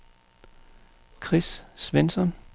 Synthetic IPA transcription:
kʰʁissʋensɒn

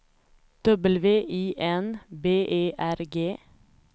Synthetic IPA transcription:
d̪̥œbəlʋeːʔiːʔɛnbeːʔeːʔæɾɡeː

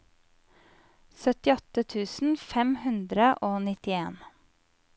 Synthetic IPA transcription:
sœt̪ɪɔt̪ət̪ʰʉːsn̩fɛmhʉnd̪ɾəʔoːnɪt̪ɪeːn

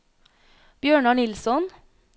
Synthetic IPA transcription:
b̥jøːɳɑɳɪlsɔn

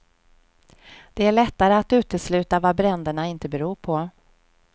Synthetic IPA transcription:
d̪̥ɛæɭɛt̪ːaɾəat̪ʉ̟ːt̪əslʉ̟ːt̪avabɾɛnd̪əɳaɪnt̪əbɛɾuːɾpʰɔ

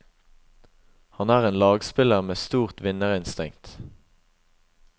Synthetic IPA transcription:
hɑnæːʁeːnlɑːɡspɪləʁmeːst̪uːʁt̪ʋɪnəʁɪnst̪ɪ̰ŋt̪

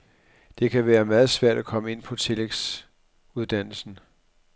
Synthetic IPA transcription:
d̥e̝kʰæʋæːɐmæːð̞̩ˠsʋæɐ̰d̥ækʰɒ̽məe̝n̰pʰɒ̽t͡sʰe̝leɡ̥s | uð̞ˠd̥æn̰l̩sn̩

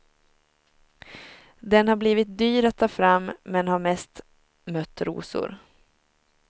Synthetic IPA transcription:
d̪ɛnhaɾbliːvɪt̪̚d̪yːɾat̪ʰːɑːfɾamːɛnhaɾmɛst̪ | mœt̪ːɾṵːsʊ̰ɾ

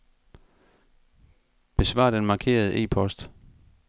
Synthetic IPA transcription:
b̥e̝sʋɑ̰̈ːd̥enmɑ̈kʰe̝̰ːɐð̞̩ˠəʔe̝̰ːpʰɒ̽sd̥

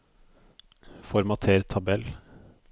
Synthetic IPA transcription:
fɔɾmɑt̪ʰeːɾt̪ʰɑbɛl

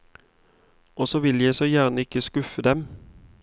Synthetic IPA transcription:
ɔːsɔːʋɪljæɪsoːjæːʁnəɪkəskʉfəd̪ɛm

